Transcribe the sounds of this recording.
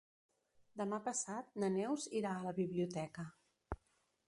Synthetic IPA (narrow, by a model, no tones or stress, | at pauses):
d̪əmapəsat̪̚nənɛwziɾaələβiβliut̪ɛkə